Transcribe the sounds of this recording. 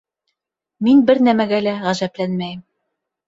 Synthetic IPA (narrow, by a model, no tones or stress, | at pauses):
minbɘɾnæmæɡælæʁæʒæplænmæjɘm